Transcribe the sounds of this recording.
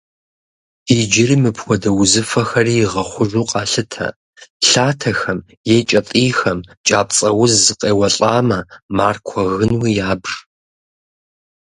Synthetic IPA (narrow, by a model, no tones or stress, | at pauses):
id͡ʒɪrimɨpʰxʷɔdɐwʊzɨfɐxɐriːjɪʁɐχʷʊʒuːqʼɑːɬɨtʰɐ̰ | ɬaːtʰɐxɐm | jeːt͡ʃʼɐtʼiːxɐmt͡ʃʼaːp̚ʼt͡sʼɐwʊzzɨqʼeːwɐɬʼaːmɐmaːrkʷʰɔɣɨnwiːjaːbr